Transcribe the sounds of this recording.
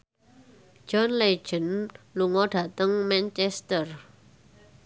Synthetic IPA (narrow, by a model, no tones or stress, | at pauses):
ʒ̥ɔnle̥ʒ̥ə̤nluŋɔɖ̥ä̤t̪əŋmɛnt͡ʃɛst̪ər